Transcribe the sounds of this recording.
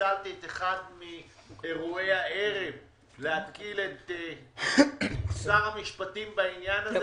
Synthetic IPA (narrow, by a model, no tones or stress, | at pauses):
alt̪iet̪eχadmieʁue̞jae̞ʁe̞v | lehat̪kilet̪e | saʁamiʃpatimbainjanaz